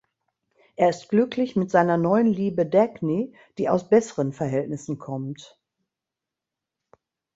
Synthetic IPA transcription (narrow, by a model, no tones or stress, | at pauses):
ʔeːɐɪstɡ̥lʏklɪçmɪtz̥aɪnɐnɔʏənliːbədɛkni | d̥iːaʊsb̥ɛsəʁənfɛɐɦɛltnɪsn̩kʰɔmt